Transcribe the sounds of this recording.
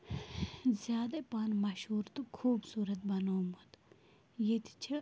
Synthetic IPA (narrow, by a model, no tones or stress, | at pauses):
zʲjaːd̪epaːnmɐʃɦuːɾt̪ukʰuːbsuːɾɐt̪̚bɐnoːmɐt̪ | jet̪ʰi̥t͡ʃʰi